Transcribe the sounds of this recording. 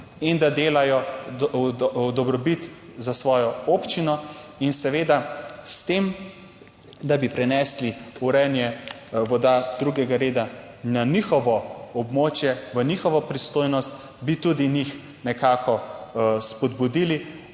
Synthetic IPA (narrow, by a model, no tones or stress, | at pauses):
ind̪ad̪eːlajɔ | d̪ɔbɾɔbit̪zasʋɔːjɔoːpt͡ʃinɔinsɛʋeːd̪ast̪em | d̪abipɾɛnɛːsliuɾɛnjɛ | ʋɔd̪ad̪ɾuɡɛɡaɾeːd̪a | nanixɔʋɔɔbmoːt͡ʃjɛʋənixɔʋɔpɾist̪oːjnɔst̪ | bit̪ud̪inix | nɛkakʰɔspɔd̪bud̪iːli